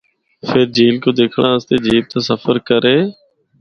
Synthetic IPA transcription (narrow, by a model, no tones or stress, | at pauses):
pʰɪɾd͡ʒiːlkoːd̪eːkʰɽãːəst̪eːd͡ʒiːb̚t̪aːsəfəɾkəɾeː